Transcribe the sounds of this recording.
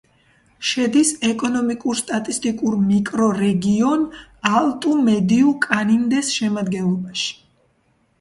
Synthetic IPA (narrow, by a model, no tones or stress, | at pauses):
ʃɛd̪isɛkʼɔnɔmikʼuɾst̪ʼat̪ʼist̪ʼikʼuɾmikʼɾɔɾɛɡiɔnalˠt̪ʼumɛd̪iukʼanimd̪ɛsʃɛmad̪ɡɛnlˠɔbaʃi̥